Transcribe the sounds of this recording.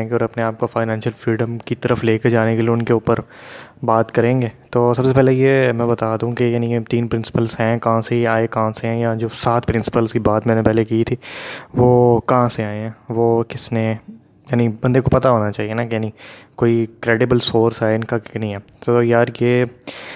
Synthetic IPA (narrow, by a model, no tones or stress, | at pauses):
ŋɡeɔːɾɐpneaːp̚kofaːɪnɛ̃ːnʃəlfɾiːɖə̃mkit̪ɐɾəfleːked͡ʒaːnekelieʊnkeuːpəɾbaːt̪kɐɾẽːŋɡeːt̪oːsɐbsepɛːlejemɛ̃ːbɐt̪aːd̪aũkejaːnit̪iːnpɾɪ̃nsɪ̥pəlzɦɛ̃kɐɦãseiaːekɐɦãseɦɛ̃jad͡ʒoːsaːt̪ʰpɾɪ̃nsɪ̥pəlskibaːd̪mɛ̃ːnepɛɦlekiːt̪ʰiːʋoːkɐɦãseaːeɦɛ̃ːʋoːkɪsne | jaːnibɐ̃nd̪ekopɐt̪aɦoːnat͡ʃaːɦienakejaːnĩkoːikɾeːɖɪbəlsoːɾsaːɛɪnkanɐɦĩɦɛːt̪ojaːɾjeː